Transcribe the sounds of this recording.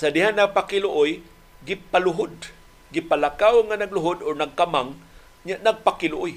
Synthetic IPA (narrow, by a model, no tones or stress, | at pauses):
sad̪ɪɦanaɡ̚pakɪlʊʔʊj | ɡɪpalʊɦʊd̪̚ | ɡɪpalakawŋanaɡlʊɦʊd̪ɔɹnaɡ̚kamaŋ | ɲaʔnɐɡ̚pakɪlʊʔʊj